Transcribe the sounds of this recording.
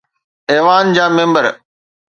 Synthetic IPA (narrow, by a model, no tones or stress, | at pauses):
eːʋaːnd͡ʑaːmẽːmbəɾ